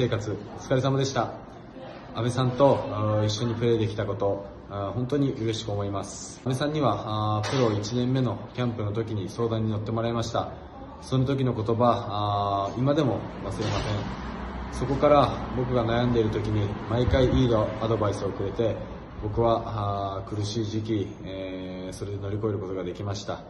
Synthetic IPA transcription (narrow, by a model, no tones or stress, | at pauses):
e̞ːkat͡sɨt͡sɨ̥kaɾisamad̪e̞ɕi̥t̪a | abe̞sãnt̪o̞iɕːo̞ɲ̟ipɯɾe̞ːd̪e̞kʲi̥t̪ako̞t̪o̞ | hõ̞nt̪o̞ɲ̟iʔɯɾe̞ɕi̥kɯomo̞imasɨ̥ | be̞sãɲ̟ːiβapɯ̟ɾo̞it͡ɕinẽ̞mːe̞no̞kʲãmpɯ̟no̞t̪o̞kʲiɲ̟iso̞ːd̪ãɲ̟ːino̞t̪ːe̞mo̞ɾaemaɕi̥t̪a | so̞not̪̬o̞k̬ʲino̞ko̞t̪o̞ba | imad̪e̞mo̞βasɨɾe̞masẽ̞ɴ̃so̞ko̞kaɾabo̞k̬ɯ̟ɡanajãnd̪e̞iɾɯt̪o̞kʲiɲ̟imaikaiiːd̪oad̪o̞baisɨo̞kɯ̟ɾe̞t̪e̞ | bo̞kɯ̟βakɯ̟ɾɯ̟ɕiːʑik̬ʲi | so̞ɾe̞d̪e̞no̞ɾʲiko̞e̞ɾɯ̟ko̞t̪o̞ɡad̪e̞kʲimaɕi̥t̪a